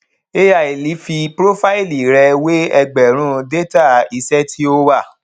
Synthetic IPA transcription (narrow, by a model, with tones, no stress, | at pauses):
e˦ja˨i˨li˨˦fi˧pɾo˦fa˦i˦˨li˨ɾɛ˧we˦ɛ˧ɡ͡bɛ˨ɾ̃ũ˦de˦ta˦˨i˧sɛ˦tʰi˦o˦wa˦˨